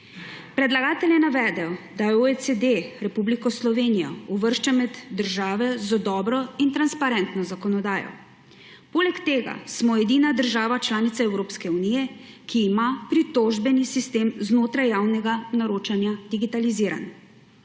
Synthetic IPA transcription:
pɾɛd̪laɡaːt̪ɛljɛnaʋɛːd̪ɛjɔd̪ajɛoɛt͡s̪ed̪eɾɛpublikɔslɔʋenijɔ̰uʋəɾʃt͡ʃamɛd̪ːəɾʒaːʋɛzɔd̪ɔːbɾɔint̪ɾanspaɾɛnt̪nɔzakɔnɔd̪aːjɔ̰ | poːlɛkt̪eːɡa̰smɔɛd̪iːnad̪əɾʒaːʋat͡ʃlaːnit̪saɛwɾoːpskɛunijɛ | kʰiːmapɾit̪oʒbɛnisist̪eːmznoːt̪ɾajːaːwnɛɡanaɾoːt͡ʃanjad̪iɡit̪aliziːɾa̰n

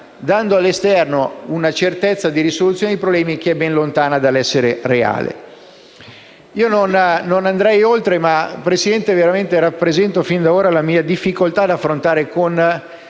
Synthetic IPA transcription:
d̪and̪oalːest̪ɛrnounat͡ʃert̪ɛt̪sːad̪iɾisolut̪sjoːned̪ipɾoblɛːmikeɛbːɛnlont̪aːnad̪alːɛsːeɾerea̰ːlḛ | iːononːonand̪ɾɛjolt̪ɾemapɾesid̪ɛnt̪eveɾament̪eɾapːɾezɛnt̪ofind̪aoːɾalamiːad̪ifːikolt̪ad̪afːɾont̪aːɾekon

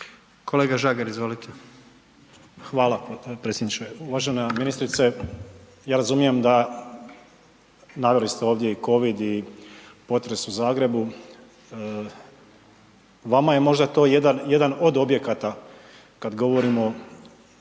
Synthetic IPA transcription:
kʰoleːɡaʒaːɡaɾizʋolit̪ʰe | xʋaːlˠapɾet̪sjed̪nit͡ʃeuʋaʒenaminist̪ɾit̪se | jaːɾazumije̞md̪a | naʋelist̪eo̞ːʋd̪jeiko̞ʋid̪i | po̞t̪ɾe̞suzaːɡɾe̞bu | ʋamaje̞mo̞ʒd̪at̪o̞ːjed̪anje̞d̪ano̞d̪o̞bje̞kat̪a | kad̪ɡo̞ʋo̞ɾimo̞

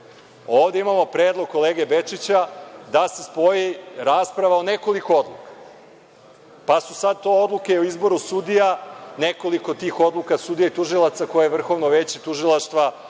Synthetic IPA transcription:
o̞ːʋd̪e̞imamo̞pɾeːd̪lˠo̞ɡ̚kːo̞le̞ːɡe̞be̞t͡ʂit͡ɕad̪ase̞spo̞jiɾaːspɾaʋaone̞ko̞likood̪lˠukḁ | pasusad̪̚t̪o̞od̪lˠuke̞oizbo̞ɾusud̪ijaneko̞liko̞t̪iːxo̞d̪lukasud̪ijait̪uʒilˠat̪sako̞jajeʋr̩xo̞ʋnoʋet͡ɕet̪uʒilˠaʃt̪ʋa

